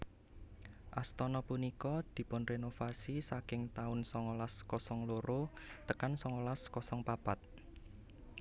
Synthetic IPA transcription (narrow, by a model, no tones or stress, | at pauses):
ʔast̪ɔnɔpunikɔd̪̥i̤pʊnrenofasisakɪŋt̪aʊnsɔŋolaskɔsɔŋloɾot̪əkansɔŋɔlaskɔsɔŋpapat̪̚